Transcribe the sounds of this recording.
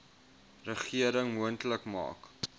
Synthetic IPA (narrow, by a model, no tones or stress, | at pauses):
rəχiəɾəŋmuəntləkmɑ̰ːk